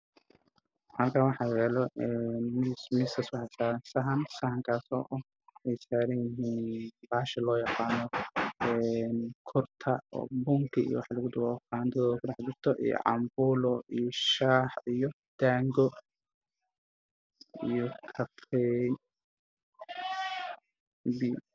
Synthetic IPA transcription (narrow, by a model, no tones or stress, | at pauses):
hɐlkʰaːnwɑħɑjɛːlɔʔɛnmɪsmɪsɐswɑħɑsaːɾɐnsɐɦɐnsɐhɐŋkʰaːsɔ̰ːʔɐh | ɛjsaːɾɐnjɪɦiːnbaːʃɐlɔːjɑqɑːnɔɛːnkʰʊrt̪ʰɐɔ̰ːbʊŋkʰɪḭjɔ̰wɑħlɐɣʊd̪ʊwɔqɑːnt̪ʰɐðɔːðkʰʊɖɑħd͡ʒʊrt̪ʰɔʔḭjɔ̰ʕɑ̰mbuːlɔijʃaːħijɔ | d̪̥aːŋɡɔ | ijɔkʰɐfɛ | bi